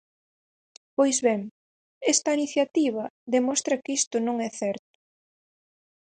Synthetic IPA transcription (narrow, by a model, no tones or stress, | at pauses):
pojzβɛŋ | ɛst̪ɐiniθjat̪iβ̞ɐðemɔst̪ɾɐkist̪ʊnõŋɛθɛɾt̪ʊ̥